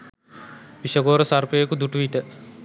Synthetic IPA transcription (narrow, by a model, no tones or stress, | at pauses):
ʋiʃɐɡoːɾɐsaɾpeːkud̪uʈuiʈə